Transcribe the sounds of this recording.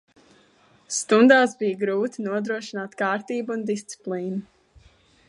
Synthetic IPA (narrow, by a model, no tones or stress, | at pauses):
st̪und̪aːsbijɡɾuːt̪inuɔd̪ɾuɔʃinaːt̪kaːɾt̪iːbuund̪ist̪si̥plˠiːnu